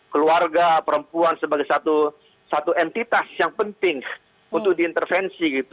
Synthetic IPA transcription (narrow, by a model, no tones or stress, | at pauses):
kəluarɡapəɾəmpuansəbaɡajsat̪u | sat̪uɛnt̪it̪asjaŋpənt̪ɪŋ | unt̪ʊdiːnt̪ərfɛnsiɡit̪u̥